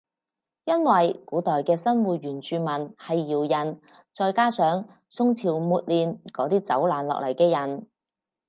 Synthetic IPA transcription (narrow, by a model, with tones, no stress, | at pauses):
jɐ˥nwɐ˨jkuː˨˥t̪ɔː˨jkɛː˧sɐ˥nwuː˨˩t̚ɥyː˨˩nt͡ʃyː˨˧mɐ˨˩nhɐ˨jːiː˨˩wjɐ˨˩n | t͡sɔː˧jkaː˥sœː˨˥ŋ | sʊ˥ŋt͡sʰiː˨˩wmuː˨t̚liː˨nkɔː˨˥t̪iː˥t͡sɐ̰˨˥wlaː˨˩nlɔ̰ː˨k̚lɐ˨˩jkɛː˧jɐ˨˩n